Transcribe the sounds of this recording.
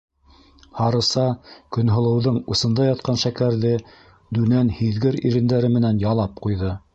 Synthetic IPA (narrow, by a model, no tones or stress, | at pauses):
hɑɾɤ̆sɑkɵ̆nɦŏlˠɤ̆wðɤɴŭsɤ̆nd̪ɑjɑt̪̚qɑnʃækæɾðɘ | d̪ʉnænhiðɡɘɾḭɾɘ̆nd̪æɾɘmɘ̆nænjɑlˠɑp̚qujðɤ